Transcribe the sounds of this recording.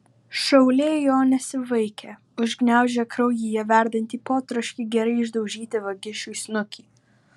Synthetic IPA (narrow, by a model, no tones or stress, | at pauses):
ʃɐʊlʲeːjoːnʲɛsʲɪʋɐɪkʲʰɛ | ʊʒɡnʲæˑʊʒʲɛkɾɐʊjijɛʋʲæˑɾʲd̪ɐnʲt̪ʲiːpoːt̪ɾɐʃʲkʲiːɡʲɛɾɐɪɪʒd̪ɐʊʒʲiːt̪ʲɪʋɐɡʲɪʃʲuɪsnʊkʲʰiː